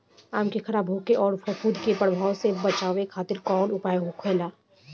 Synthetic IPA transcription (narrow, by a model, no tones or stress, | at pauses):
aːmkixɐɾaːbʱɦoːkeʔɔːɾfɐkuːd̪ʱkepəɽbʱaːwsebɐt͡ʃaːʋekʰaːt̪ɪɾkɔːlʊpaːjeɦokʰeːlaː